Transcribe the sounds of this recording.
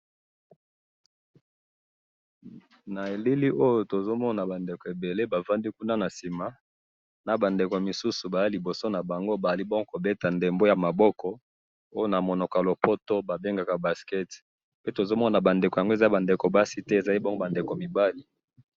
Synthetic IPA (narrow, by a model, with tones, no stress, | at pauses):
na˨e˨li˦li˦ʔo˦jo˨to˨zo˦mɔ˦na˨ba˨nde˨ko˨e˨be˨le˦ba˨va˦ndi˦ku˦na˦na˨si˨ma˨ | na˨ba˨nde˨ko˨a˨mi˨su˦su˨ba˨ja˦li˨bo˨so˦na˨ba˨ŋɡo˦ba˨a˨li˦bo˦ŋɡo˦ko˨be˦ta˨nde˨mbo˦ja˨ma˨bɔ˦kɔ˨ | o˦jo˦na˨mo˨no˨klo˨po˦to˦ba˨be˦ŋɡa˨ka˨ba˨skɛ˦t | pe˦to˨zo˦mɔ˦na˨ba˨nde˨ko˨ja˨ŋɡo˦e˨za˦ba˨nde˨ko˨ba˦si˦tɛ˦e˨za˨li˦bo˦ŋɡo˦ba˨nde˨ko˨mi˨ba˦li˨